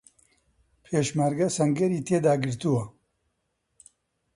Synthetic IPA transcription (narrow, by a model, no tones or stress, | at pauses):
pʰeːʃmaɾɡɐsɐŋɡɐɾiːt̪ʰeːd̪aːɡɨɾt̪uwɐ